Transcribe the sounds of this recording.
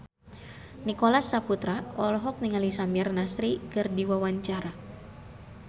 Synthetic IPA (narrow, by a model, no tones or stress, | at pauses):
nikolasːaput̪ɾaɔlɔɦɔk̚niŋalisamɛrnasɾikɨrdiwawaɲt͡ʃaɾa